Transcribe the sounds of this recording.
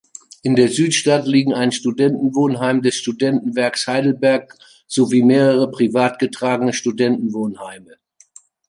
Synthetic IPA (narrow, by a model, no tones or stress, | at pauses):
ʔɪndeːɐzyːtʃtatliːɡŋ̩aɪnʃtudɛntn̩voːnɦaɪmdɛsʃtudɛntn̩vɛɐkshaɪdl̩bɛɐk̚ | z̥oviːmeːʁəʁ̞əpʁ̥ivaːtɡ̥ətʁ̥aːɡənəʃtudɛntn̩voːnhaɪmə